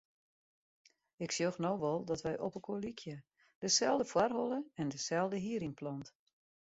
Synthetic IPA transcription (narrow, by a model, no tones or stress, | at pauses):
ɪksjoxnowʋɔlˠdɔtʋɛjʔɔpəkʰoəlikʰjə | d̥əsɛlˠdəfwarɦɔlˠəɛndəsɛlˠdəɦiəɾiŋplɔnt